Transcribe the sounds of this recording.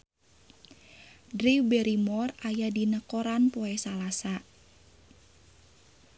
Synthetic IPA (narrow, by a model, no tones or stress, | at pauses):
dɾiwbɛɾimɔrajadinəkoɾanpoɛsalasa